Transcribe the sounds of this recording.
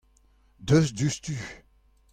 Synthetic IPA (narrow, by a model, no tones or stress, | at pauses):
d̪øsd̪yst̪y